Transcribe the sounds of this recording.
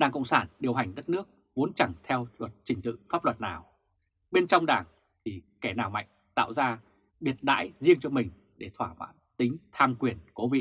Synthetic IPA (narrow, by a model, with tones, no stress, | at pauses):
ɗaː˨˩ŋkə̰˧˨wŋ͡msaː˧˩nɗi˨˩əwɦa˨˩jŋ̟ɗə˦˥t̚nɨ˦˥ək̚ | vo˨˦ənt͡ɕa˧˩ŋt̪ʰɛ˧wlwə˨˩t̚t͡ɕï˨˩ŋ̟t̪ɨ̰˧˨faː˦˥p̚lə˨˩t̚naː˨˩w | ɓe˧nt͡ɕɔ˧wŋ͡mɗaː˨˩ŋ | t̪ʰi˨˩kɛ˧˩naː˨˩wma̰˧˨jŋ̟t̪a̰ː˧˨wzaː˧ | ɓi˨˩ət̚ɗa̰ː˧˥jzi˧əŋt͡ɕɔ˧mï˨˩ŋ̟ | ɗe˧˩t̪ʰwaː˧˩ma̰ː˧˥nt̪ï˨˦ŋ̟t̪ʰaː˧mkwi˨˩ənko˨˦vḭ˧˨